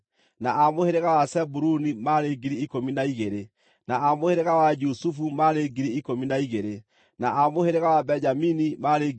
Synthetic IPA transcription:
naʔamoheɾeɣawasɛbuɾunimaɾeɡiɾiikominaiɣeɾe | naamoheɾeɣawad͡ʒusufumaɾeɡiɾiikominaiɣeɾe | naamoheɾeɣawabɛɲd͡ʒaminimaɾe

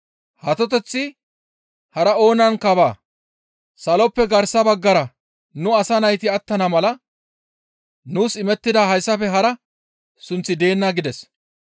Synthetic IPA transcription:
hɐt̪ɔt̪ɛt͡sːɪ | hɐɾɐo̞ːnɐŋkɐbaː | sɐlɔpːɛɡɐɾsɐbɐɡːɐɾɐ | nʊɐsɐnɐjt̪ɪɐt̪ːɐnɐmɐlɐ | nuːsɪmɛt̪ːɪd̪aɦɐjsːɐfɛɦɐɾɐ | sʊnt͡sːɪd̪e̞ːnːaɡɪd̪ɛs

